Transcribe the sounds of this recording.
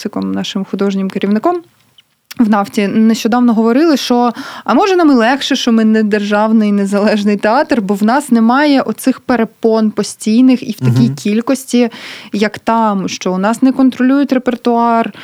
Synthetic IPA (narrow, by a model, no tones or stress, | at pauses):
sɪkɔmnɑʃɪmxʊd̪ɔʒnʲɪmkɪɾʲiʋnɪkɔm | wnɑwtʲineʃt͡ʃɔd̪ɑwnɔɦɔʋɔɾɪlˠɪʃt͡ʃɔɐmɔʒɛnɑmɪlˠɛxʃɛʃt͡ʃɔmɪnɛd̪erʒɑwnɪjnezɐlˠɛʒnɪjt̪eɑt̪rbɔwnɑsnɛmɑjɛʔɔt̪sɪxpeɾepɔnpɔsʲtʲijnɪxiwt̪ɐkʲijkʲilʲkɔsʲtʲijɐkt̪ɑmʃt͡ʃɔnɑsnɛkɔnt̪ɾɔlʲujʊtʲrepert̪ʊɑr